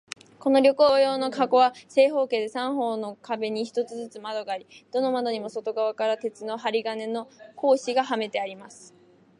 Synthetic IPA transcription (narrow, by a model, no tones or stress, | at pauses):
ko̞no̞ɾʲo̞koːjo̞ːno̞kaɡo̞βase̞ːɦo̞ːke̞ːd̪e̞sãɰ̃ɦo̞ːno̞kabe̞ɲ̟içi̥t̪o̞t͡sɨzɨt͡sɨmad̪o̞ɡaːɾʲid̪̥o̞no̞mad̪o̞ɲ̟imo̞so̞t̪o̞ɡaβakaɾat̪e̞t͡sɨno̞ɦaɾʲiɡane̞no̞ko̞ːɕiɡaɦame̞t̪e̞aɾʲimasɨ̥